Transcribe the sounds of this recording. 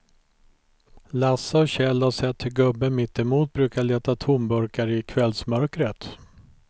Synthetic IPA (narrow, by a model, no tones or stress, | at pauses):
lasːaɔɕɛlːhaʂɛt̪ʰːhɵɡɵbːənmɪt̪ːɛmuːt̪̚bɾʉ̟ːkaɭeːt̪at̪ʰʊmbɵɾkaɾɪkʰvɛlsmœɾkɾət̪